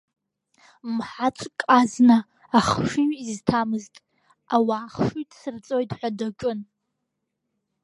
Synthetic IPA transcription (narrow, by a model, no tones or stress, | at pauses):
mħat͡ʃʷʼkʼaznaː | χʂiiztʰamɨztʼ | awaːχʂitʼsɨrt͡sʼo̞jtʼħʷadat͡ʃʼʊn